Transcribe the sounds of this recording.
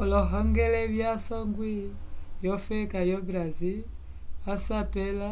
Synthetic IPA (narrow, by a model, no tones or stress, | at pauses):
ɔlɔɦɔŋɡɛlɛβjasɔŋɡwijɔfɛkajɔbɾazi | asapɛla